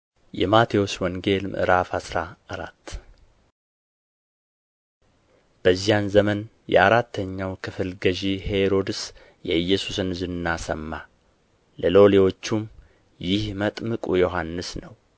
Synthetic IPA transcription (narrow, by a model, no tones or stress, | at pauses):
jɛ̰mat̪ʰewoswɔŋɡe̞lmʔɨ̰ɾafhasɾaaɾa̰t̪ː | b̥əzːijanzəmən | jɛ̰aɾat̪ʰːəɲːawkʰɨfɨlɡəʒihe̞ɾo̞d̪ɨs | jɛɨjːɛsusɨnzɨnnːasəmːa | ləlo̞lewo̞t͡ʃːum | jɪhmət̪ʼmɨkʼujo̞ɦanːɨsnəw